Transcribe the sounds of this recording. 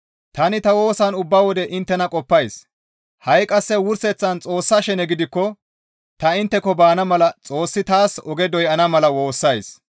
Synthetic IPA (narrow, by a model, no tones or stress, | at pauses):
t̪ɐnɪt̪ɐwo̞ːsɐnʊbːawɔd̪ɛʔɪnt̪ːɛnɐkʼɔpːɐjs | hɐjkʼɐsːɛwʊɾsɛt͡sːɐnt͡sʼo̞ːsːɐʃɛnɛɡɪd̪ɪkːɔ | t̪ɐɪnt̪ːɛkɔbaːnɐmɐlɐt͡sʼo̞ːsːɪt̪aːsɔɡɛd̪ɔjɐnɐmɐlɐwo̞ːsːɐjs